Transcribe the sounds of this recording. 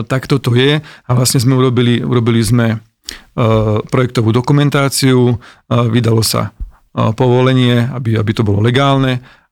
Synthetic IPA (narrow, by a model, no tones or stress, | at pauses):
t̪akt̪ɔt̪ɔjɛaʋlasɲɛzmɛuɾɔbiliṵɾɔbilizmɛ | pɾɔjɛk̚t̪ɔʋuːd̪ɔkumɛnt̪aːt͡siuʋid̪alɔsa̰ | pɔʋɔlɛɲɪɛabiabit̪ɔbɔlɔlɛɡaːlnɛ